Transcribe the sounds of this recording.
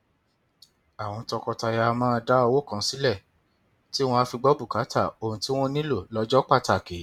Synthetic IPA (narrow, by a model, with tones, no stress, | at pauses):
a˨w̃ɔ̃˧tɔ˧kɔ˧ta˧ja˧mãː˦˧da˦ɔ˧wo˦˨kã˨˦si˦lɛ˦˨ | ti˦w̃ɔ̃˧a˧fi˧ɡ͡bɔ˦bu˦˨ka˨˦ta˦˨o˨ũ˨ti˦w̃ɔ̃˦nĩ˦lo˦˨lɔ˨˧˦d͡ʒɔ˦k͡pa˦˨ta˨ke˨˦